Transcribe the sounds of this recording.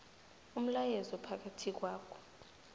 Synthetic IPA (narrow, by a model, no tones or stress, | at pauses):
um̩lajɛzɔpʰak̬atʰik̬waːkʰɔ̥